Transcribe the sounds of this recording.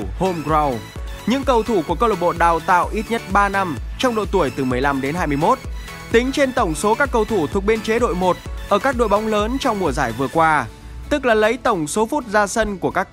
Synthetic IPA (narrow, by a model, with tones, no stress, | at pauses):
ho˧mɣza˧wɲɨ̰˧˥ŋkə˧wt̪ʰu˧˩ku˧˩əkə˧lo˨˩ɓo̰˧˨ɗaː˨˩wt̪a̰ː˧˨wʔi˦˥t̚ɲə˦˥t̚ɓaː˧na˧mt͡ɕɔ˧wŋ͡mɗo̰˧˨jt̪u˧˩əjt̪ɨ˨˩mɨ˨˩əjla˧mɗe˨˦nɦaː˧jm˧jmo˦˥t̚ | t̪ï˨˦ŋ̟t͡ɕe˧nt̪ə˧˩wŋ͡mso˨˦kaː˦˥kːə˧wt̪ʰu˧˩t̪ʰu˨˩ək̚ɓe˧nt͡ɕe˨˦ɗo̰˧˨jmo˨˩t̚ʔəː˧˩kaː˦˥k̚ɗo̰˧˨jɓa˨˦wŋ͡mləː˨˦nt͡ɕɔ˧wŋ͡mmu˨˩əzaː˧˩jvɨ˨˩əkwaː˧ | t̪ɨ˦˥k̚laː˨˩lə˨˦jt̪ə˧˩wŋ͡mso˨˦fu˦˥t̚zaː˧sə˧nku˧˩əkaː˦˥k̚